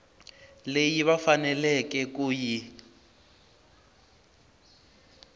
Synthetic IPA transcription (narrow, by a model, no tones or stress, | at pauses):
lejiβafanɛlɛkɛkʼuːji